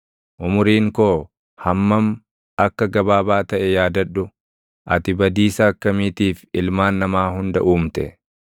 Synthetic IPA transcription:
ʔʊmʊɾiːŋkoː | hɐmːɐm | ɐkːɐɡɐbaːbaːt̪ɐʔɛjaːd̪ɐᶑːʊ | ʔɐ̰t̪ɪbɐd̪iːsɐːkːɐmiːt̪iːfɪlmaːnːɐmaːhʊnd̪ɐʔuːmt̪ɛ̰

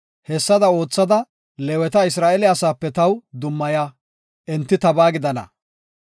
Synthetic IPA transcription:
hɛsːɐd̪ɐo̞ːt͡sːɐd̪ɐ | lɛwɛt̪ɐɪsɾaːʔɛlɪasaːpːɛt̪ɐwd̪ʊmːɐja | ʔɛnt̪ːɪt̪ɐbaːɡɪd̪ɐnɐ̰

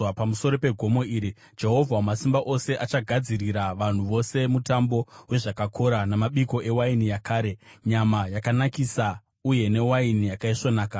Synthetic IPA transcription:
pamuso̞ɾo̞pe̞ɡʱo̞mo̞iːɾi | d͡ʒe̞ɦo̞vʱamasimbaʔo̞se̞ʔat͡ʃaɡʱad͡ziriɾaʋan̤uʋo̞se̞mutambo̞weʐakakʰo̞ɾanamaɓiko̞ʔe̞wainijakaːɾe̞ɲamajakanakisa | uje̞ne̞wainijakaiʂonaːka

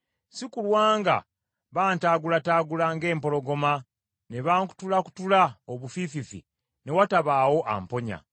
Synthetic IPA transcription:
sikulwaːŋɡa̰ | βaːntaːɡulataːɡulaŋɡe̞ːmpo̞loɡo̞ma | ne̞βaːŋku̥tulaku̥tulaoβufififḭ | ne̞wataβaːwo̞ʔa̰mpo̞ɲa̰

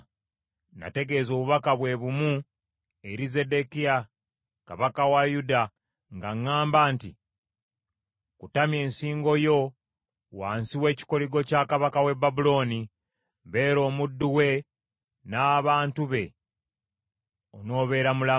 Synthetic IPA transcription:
na̰te̞ɡe̞zo̞ːβuβakaβwe̞βumu | eɾize̞de̞kia | kaβakawajuda | ŋɡaŋːaːmbaːnti | kutamje̞ːnsiːŋɡo̞jo̞ | waːnsiwe̞ːci̥ko̞liɡo̞cakaβakawe̞babulo̞ːni | βe̞ːɾo̞ːmudːuwe̞ | naːβaːntuβe̞ | ono̞ːβe̞ɾamula

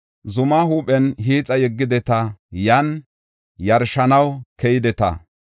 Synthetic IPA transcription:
zʊmaːhuːpʼɛnɦiːt͡sʼɐjɛɡːɪd̪ɛt̪ɐjɐn | jɐɾʃɐnɐwkɛjɪd̪ɛt̪ɐ̰

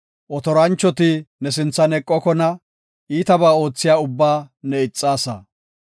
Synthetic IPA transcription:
ʔɔt̪ɔɾɐnt͡ʃːɔt̪ɪnɛsɪnt͡sːɐnɛkʼːɔkɔnɐ | ʔiːt̪ɐbaːo̞ːt͡sːɪjaːʊbːaːnɛɪt͡sʼːaːsɐ̰

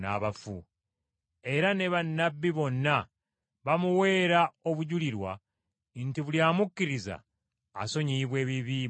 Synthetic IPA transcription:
na̰ːβafu | e̞ɾane̞βanːabːiβo̞nːa | βamuwe̞ːɾao̞βuɟuliɾwa̰ | ntiβuljaːmukːiɾiza̰ː | so̞ɲiβwe̞ːβiβi

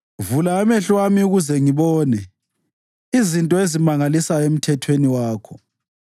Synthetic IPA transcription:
vulaːmɛɬwamiuɣuzɛŋiβɔːnɛ | izintʼɔezimaŋalisaem̩tʰɛtʰweniwaːkʰɔ

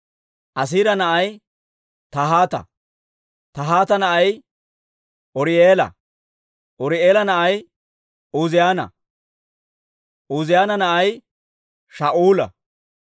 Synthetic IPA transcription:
ʔɐs̬iːɾɐnɐʔɐj | t̪ɐɦaːt̪ɐ̰ | t̪ɐɦaːt̪ɐnɐʔɐj | ʔɔɾɪeːlɐ̰ | ʔɔɾɪeːlɐnɐʔɐj | uzɪjaːnɐ̰ | ʔuːzɪjaːnɐnɐʔɐj | ʃaːʔuːlɐ̰

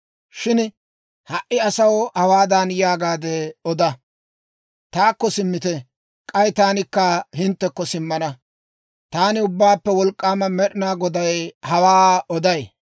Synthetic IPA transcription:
ʃɪn | hɐʔɪɐsɐwhɐwaːd̪anjaːɡaːd̪ɛɔd̪ɐ | t̪aːkːɔsɪmːɪt̪ɛ | kʼɐjt̪aːnɪkːɐɦɪnt̪ːɛkːɔsɪmːɐnɐ | t̪aːnɪʊbːaːpːɛwɔlkʼːaːmɐmɛɗɪnaːɡɔd̪ɐjhɐwaːɔd̪ɐj

